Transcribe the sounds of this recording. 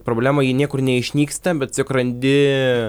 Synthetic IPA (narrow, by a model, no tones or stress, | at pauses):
pɾoːbʲlʲæːmɐjiːnʲiɛkʊrnʲɛɪʃʲnʲiːkst̪ɐbʲɛt̪t͡sʲʊkrɐnʲd̪ʲɪ